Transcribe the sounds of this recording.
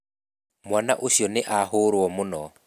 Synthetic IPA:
mwanaʔosjɔnɪʔahoɾwɔmʊnɔ

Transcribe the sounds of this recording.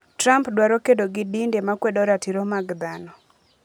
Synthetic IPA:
tɾampdwaɾokedoɡidindemakwedɔɾatiɾomaɡd̪anɔ

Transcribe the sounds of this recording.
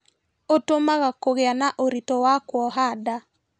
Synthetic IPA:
otomaɣakoɣeanaʔoɾitɔwakwɔɦada

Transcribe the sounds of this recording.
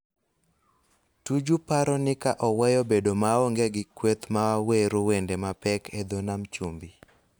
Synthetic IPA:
tud͡ʒupaɾɔnɪkaʔɔwɛjɔbedomaɔŋɡeɡɪkwet̪mawaweɾowendemapɛkʰed̪onamt͡ʃumbi

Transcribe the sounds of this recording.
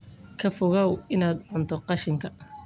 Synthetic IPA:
kʰɐfʊɣɐwɪnaːd̪ʕʊnt̪ʰɔqɑʃɪŋkʰɐ

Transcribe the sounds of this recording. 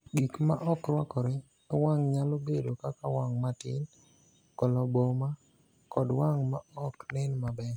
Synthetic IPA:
ɡikmaʔɔkɾwakɔɾe | waŋɲalobedokakawaŋmatɪn | kɔlɔboma | kɔdwaŋmaɔknɪnmabɛ

